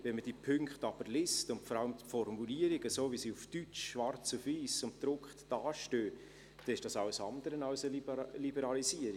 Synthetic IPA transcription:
vɛnməd̥iːpʰʏŋkχtɑb̥əɾlɪstʊntfɔɾɑləmfɔrmuliəɾɪɡəsoːvisiːufd̥yt͡ʃʃʋɑrt͡sufiːsʊntd̥ɾʊkχtd̥ɑːʃtøː | d̥ɛnɪʃd̥ɑsɑʊəsɑnd̪əɾənɑʊsəlilibəɾɑlisiəɾi

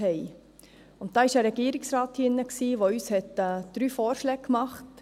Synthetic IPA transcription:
ɛɪ | ʊntd̥ɑːɪʃæːɾɛɡiəɾɪksɾɑːt̪hɪnːəksiːʋoyːshɛtɛd̪̥ɾyːfɔːɾʃlɛːkkmɑχt

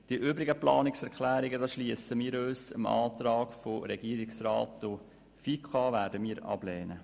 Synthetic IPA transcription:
d̪̥iʔøbɾɪɡəplɑ̰ːnɪksɛɾkʰlæːɾɪɡədɑːsʃliəsəmiːɾøːsə̰mɑ̰ːt̪ɾɑːɡfoɾɛɡiːəɾɪksɾɑːtdo | fikʰɑːvæːɾdəmiːɾɑ̰b̥lɛːnə

